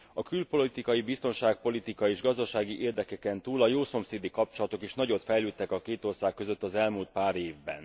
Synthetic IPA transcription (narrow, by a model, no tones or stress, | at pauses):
ɒkylpo̞lit̪ikɒjibist̪o̞nʃaːk̚po̞lit̪ikɒeːʒɡɒzd̪ɒʃaːɡiʔeːrd̪ɛkɛkɛnt̪uːlɒjoːso̞mseːd̪ikɒp̚t͡ʃo̞lɒt̪o̞keʃnɒɟo̞t̪fɛjløːt̪ːɛkɒkeːt̪o̞rsaːkːø̞zø̞t̪ːɒzɛlmuːlt̪̚paːɾeːvbɛ̰n